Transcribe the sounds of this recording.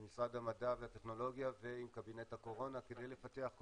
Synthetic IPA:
misʁadhamadaveateχno̞lo̞ɡjaveimkabinethako̞ʁo̞nakedejle̞fat̪e̞aχk

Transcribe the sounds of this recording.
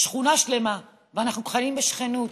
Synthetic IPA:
ʃχunaʃlema | veanaχnukoχalimbeʃχenut

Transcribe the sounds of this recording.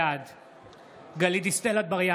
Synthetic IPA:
ad̪ | ɡɐlid̪ist̪ɛlɐt̪̚bɐɾja

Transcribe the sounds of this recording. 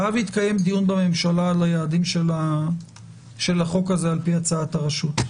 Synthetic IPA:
avit̪kaje̞md̪ijunbame̞mʃalalajaːdimʃela | ʃe̞laχo̞kazealpiat͡saataʁaʃut

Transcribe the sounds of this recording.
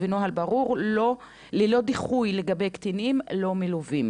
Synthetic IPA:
vinohalbaʁuʁlo | lelo̞d̪iχujleɡabejkt̪inimlo̞miluvim

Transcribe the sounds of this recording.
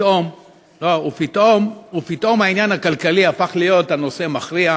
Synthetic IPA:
om | lo̞upitomupitʔo̞mhainjanhakalkaliafaχlijo̞tano̞se̞maχʁia

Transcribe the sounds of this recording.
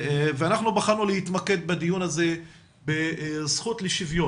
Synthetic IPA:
veanaχnubaχanulehit̪make̞d̪bed̪ijunaze | besχut̪leʃivjo

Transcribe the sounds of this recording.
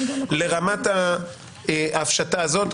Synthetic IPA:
le̞ʁamat̪a | afʃataːzo̞t̪

